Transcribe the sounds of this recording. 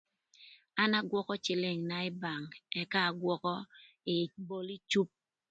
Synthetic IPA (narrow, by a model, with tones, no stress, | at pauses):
a˦na˦ɡwɔ˦kɔ˦t͡ʃɪ˨lɪ˨ŋna˨ɪ˦ba˨ŋɛ˦kaː˦˨ɡwɔ˦kɔ˦ | ɪ˨bo˦li˦t͡ʃu˦p̚